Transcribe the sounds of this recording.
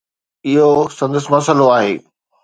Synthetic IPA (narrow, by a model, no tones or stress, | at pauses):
ɪɦosɐ̃nd̪əsmɐsəloaːɦeː